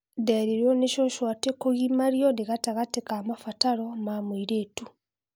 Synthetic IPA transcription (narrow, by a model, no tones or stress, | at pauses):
daɾeɾoneʃoʃwatekoɣimaɾjondeɣataɣatekamafataɾomamwiɾeːtu